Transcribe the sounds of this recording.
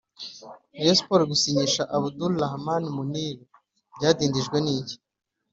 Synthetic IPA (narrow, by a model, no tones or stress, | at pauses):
jespoɾɡusiɲiʃaʔaβudullahamanimuniːɾo | bɟaːdiːndiʒɡweniːɟi̥